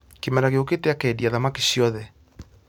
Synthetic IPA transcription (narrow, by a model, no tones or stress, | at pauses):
kemɛɾaɣeoketeakɛːdiaðamake̥ɕiɔðɛ